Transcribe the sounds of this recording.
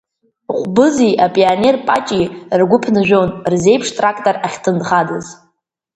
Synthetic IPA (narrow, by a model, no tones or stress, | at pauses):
χʷbɨziʔapʼiane̞rpʼat͡ʃʼirɡʷʊpʰnɨʒᶣonrze̞jpʰʂtʼrakʼtʼoraχʲtʰɨndχadɨz